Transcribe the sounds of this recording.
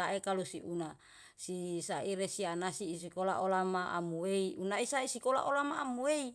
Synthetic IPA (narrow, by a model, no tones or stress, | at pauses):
aekalusiʔuna | sisaiɾesianasisikola̰ʔolamaʔa̰mueiunaisaisikola̰ʔolamaːmuei